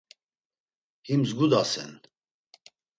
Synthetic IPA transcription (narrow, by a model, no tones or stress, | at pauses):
himzɡud̪asɛ̰n